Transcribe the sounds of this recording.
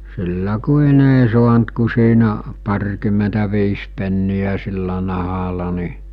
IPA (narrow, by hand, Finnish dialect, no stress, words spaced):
silːæ kuin ei suɑnt ku siːnæ pɑrʲkymˑentæʋiːs penːijæ silːæ nɑhɑlɑ ni